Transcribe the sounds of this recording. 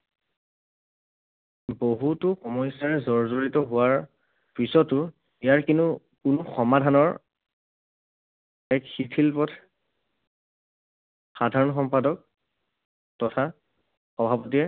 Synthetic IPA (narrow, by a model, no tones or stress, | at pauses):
boɦutʊxɔmɔjsaɹɛzɔɹzoɹitɔɦʊwaɹ | pisɔtːʊ | ijaɹkinu | kʊnʊxɔmadʱanɔɹ | ɛkxitʰilpɔtʰ | xadʱaɹɔnxɔmpadɔk̚ | tɔtʰa | xɔbʱapɔtiɛ